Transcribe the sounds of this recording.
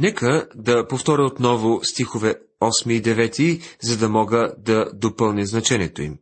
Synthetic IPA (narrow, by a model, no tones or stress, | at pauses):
nɛkəd̪ɐpoft̪ɔɾʲəot̪nɔvʊst̪ixovɛ | ɔsmiːd̪ɛvɛt̪izɐd̪ɐmɔɡəd̪ɐd̪opɤlˠnʲiznɐt͡ʃɛnʲiɛt̪oḭm